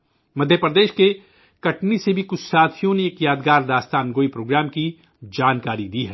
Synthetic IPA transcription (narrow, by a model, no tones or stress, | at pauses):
mɐd̪ʱjəpɾəd̪eːʃke | kɐʈnisebʱikʊt͡ʃʰsaːt̪ʰijõneːkjaːd̪ɡaːɾd̪aːst̪aːnɡoːipɾoːɡɾaːmki | d͡ʒaːnkaːɾid̪iːɦɛ